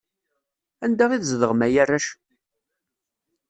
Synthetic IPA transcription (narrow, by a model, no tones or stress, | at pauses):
ænd̪æʁiðzðəʁmæjærːæʃ